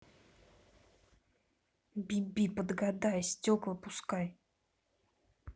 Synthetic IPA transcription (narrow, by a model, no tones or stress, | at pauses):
bʲibʲipəd̪ɡad̪ajsʲtʲoklˠəpʊskaj